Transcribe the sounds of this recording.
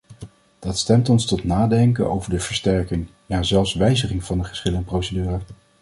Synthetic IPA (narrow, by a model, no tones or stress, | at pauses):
d̥ɑtstɛmtɔnstɔtnaːdɛŋkə̰no̰wvəɹdəv̥əɹstɛɹkɪŋ | jaːzɛlˠfsʋɛjzəχɪŋv̥ɑndəχə̥sχɪləənprowsədyːrə